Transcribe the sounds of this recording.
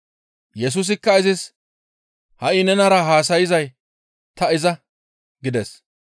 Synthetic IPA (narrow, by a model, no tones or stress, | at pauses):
jɛs̬uːs̬ɪkːɐɪzɪs | hɐʔɪnɛnɐɾɐɦaːs̬ɐjɪzɐj | t̪ɐɪzɐ | ɡɪd̪ɛs